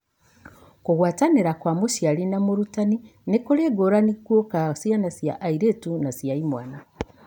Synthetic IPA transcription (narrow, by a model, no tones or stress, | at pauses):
kuɣwaːtaneɾakwamuʃialinamuɾutaninekuleɡoɾanikwokasijanasja̰ʔːiɾetunasijaimwana